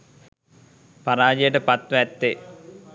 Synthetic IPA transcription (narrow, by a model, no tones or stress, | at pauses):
paɾaːd͡ʒejəʈəpat̪ʋʋɛt̪ːe